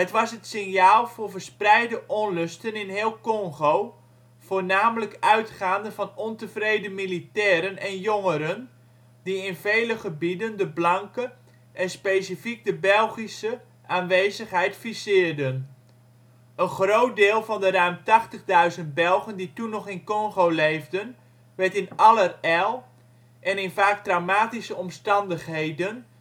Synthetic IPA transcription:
ɦətʋɑsɦətsɪnjaːlˠv̥ʊːrvərsprɛjdəʔɔnlɵstənɪnɦɪːlˠkɔŋχow | v̥ʊːnaːmələkœɥtχaːndəvɑnɔntəvrejdəmilitɛːɾənɛnjɔŋəɾən | diɪnvejləχəbidəndəblɑŋkə | ʔɛnspejsifik̚dəbɛlˠχisə | ʔaːnʋejzəχɦɛjtfisɪːrdən | ənχrowt̚dɪːlˠvɑndərœɥmtɑχtəχdœɥzənt̚bɛlˠɣənditunːɔχɪnkɔŋɣowlejvdən | ʋɛtɪnɑlərɛlˠ | ʔɛnɪnvaːk̚trawmaːtisəɔmstɑndəχɦejdən

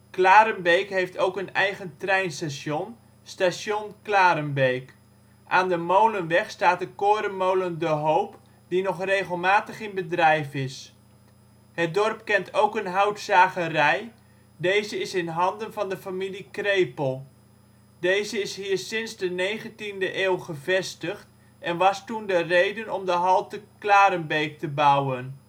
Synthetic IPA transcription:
klaːɾənbejkɦejftowkənɛjχəntrɛjnstasjon | stasjonklaːɾənbejk | ʔaːndəmowlənʋɛχstaːt̚əkoːɾənmowləndəɦowp | dinɔχrejχəlˠmaːtəχɪnbədrɛjfɪs | hət̚dɔrp̚kɛntʰowkənɦœwtsaːχərɛj | dejzəɪsɪnɦɑndənvɑndəfamilikrejpəlˠ | dejzəɪshiːɹssɪnzdənejχəntindəʔeːlˠχəvɛstəχt | ɛnʋɑstundərejdənɔmdəɦɑlˠtəklaːɾənbejk̚təbawən

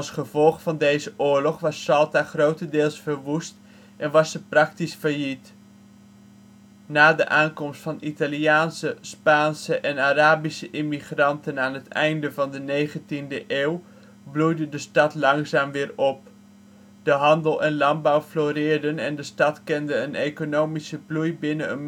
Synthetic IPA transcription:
ɑlˠsχəvɔlˠχfɑndejzəʔʊːɹlɔχʋɑsːɑlˠtaχrowtəndɪːlˠsfəɹʋust | ʔɛnʋɑsəprɑktisfəɹjit | naːdə̰ʔaːnkɔmstfɑnitaliaːnsəspaːnsəʔɛnaːraːbisəʔɪmiχrɑntənaːnɦətɛ̰jndəvɑndənejχəntindəʔeːw | blujdədəstɑtlɑŋzaːmʋɪːɹɔp̚ | d̥əɦɑndəlˠɛnlɑnbawfloːrɪːɹdənɛndəstɑtkɛndəənejkonowmisəblujbɪnəən

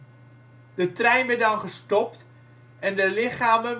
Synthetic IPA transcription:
d̥ətrɛjnʋɛdɑnχəstɔpt | ɛndəlɪχaːmən

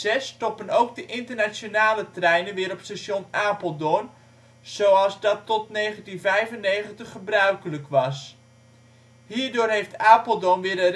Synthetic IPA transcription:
ɛstɔpənowk̚dəʔɪntərnasonaːlətrɛjnənʋɪːɾɔpstasonaːpəlˠdon | z̥owɑlˠzdɑtːɔtnejχəntinvɛjvənːejχəntəχːəbrœɥkələkʰʋɑs | ɦiːɹdʊːrɦejftaːpəlˠdonʋɪːɾə

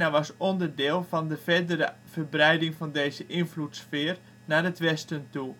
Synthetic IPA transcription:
naʋɔsondərdɪːlˠfɔndəfɛdəɾəfərbrɛjdɪŋfɔndeːzəʔɪnflutsfɪːr | nadətʋɛstəntu

